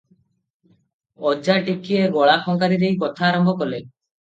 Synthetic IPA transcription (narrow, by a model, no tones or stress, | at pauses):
ɔd͡ʒaʈikieɡɔɭakʰɔŋkaɾiɾejkɔt̪ʰaːɾɔmbʱɔkɔle